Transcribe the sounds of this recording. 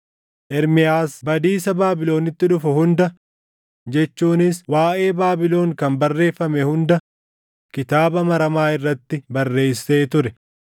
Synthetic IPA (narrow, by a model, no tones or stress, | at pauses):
ʔɛɾmɪjaːsbɐd̪iːsɐbaːbɪlo̞ːnɪt̪ːɪᶑʊfʊhʊnd̪ɐ | d͡ʒɛt͡ʃːuːnɪswaːʔe̞ːbaːbɪlo̞ːŋkɐmbɐrːe̞ːfːɐmɛhʊnd̪ɐ | kɪt̪aːbɐmɐɾɐmaːɪrːɐt̪ːɪbɐrːe̞ːsːe̞ːt̪ʊɾɛ